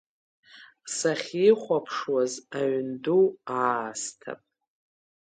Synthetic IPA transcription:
saχʲiχʷapʰʂwazaɥnduastʰa̰pʼ

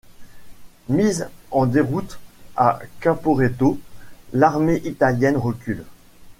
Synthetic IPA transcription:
mizɑ̃d̪eʁut̪akapoʁet̪olaʁmeʔit̪aljɛnʁəkʲyl

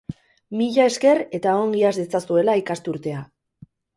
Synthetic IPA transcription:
miʎae̞ske̞re̞t̪aoŋɡiazd̪et͡sasue̞laikast̪uɾt̪e̞a

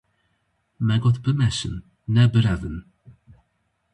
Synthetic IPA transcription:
mɛɡɔt̪bəmɛʃə̰nː | ɛbəɾɛvən

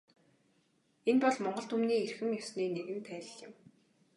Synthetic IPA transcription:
enpɔɮmɔɴɢɞ̆ɬt̪umniːerxɘ̆mjɔsniːneɣɘ̆nt̪ʰæːɮ̆ɮɪ̆m

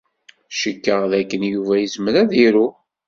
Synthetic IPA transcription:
ʃəkːəʁðækːənjuvæjəsməɾæðiɾu

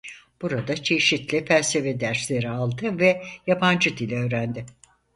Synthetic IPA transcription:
b̥uɾad̪at͡ʃʰe̞ʃit̪lʲifælʲse̞ved̪æɾslʲe̞ɾialˠd̪ɯvɛjapʰand͡ʒɯd̪ilʲɛø̞ːɾænd̪ɪ

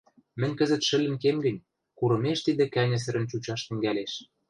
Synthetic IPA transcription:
mɘ̆nʲkɘ̆zə̆t̪ʃɘ̆lʲɘ̆nkemɡɘ̆nʲ | kuɾɤ̆meʃt̪id̪ĕkænʲɘ̆s̬ɘ̆ɾɘ̆nt͡ɕut͡ɕɑʃt̪ɘ̆ŋɡæleʃ

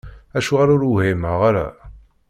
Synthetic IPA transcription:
æʃuʁaɾʊɾhimaʁaɾa̰

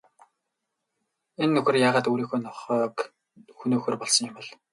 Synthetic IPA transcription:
enːɵxɵ̆rjaːʁaːt̪uːɾiːxuːnɔχœːk | xunoːxɵːrpɔɮsɞ̆ŋjɪmɘ̆ɮ

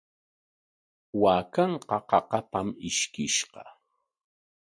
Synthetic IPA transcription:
waːkɑɴqɑqɑqɑpamɪʃkɪʃqɑ

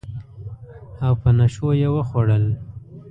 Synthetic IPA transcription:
awpənaʃojewəxwaɽəl

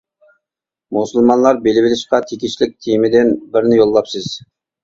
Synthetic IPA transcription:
musulˠmɑnlˠɑɾbelɪbɪlɪʃqɑt̪ʰekʲiʃlɪk̚ʲt̪ʰemɪd̪ɪnbɪɾnɪjolˠːɑpsɨz̥

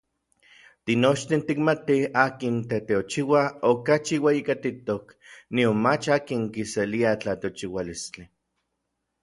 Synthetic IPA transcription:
t̪inot͡ʃt̪int̪ikmat̪iaːkint̪et̪eot͡ʃiwaokat͡ʃiwejikat̪it̪ok | nionmat͡ʃaːkiŋkiseliat͡ɬat̪eot͡ʃiwalist͡ɬi

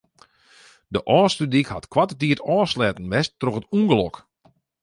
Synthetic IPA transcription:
dəʔɔːstədikhatkwatətiətɔːslɛːtən̩ʋɛstːroxətuŋɡəlɔk

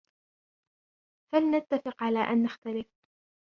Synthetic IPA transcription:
falnat̪ːafɪqʕalaːʔanːaxt̪alɪf

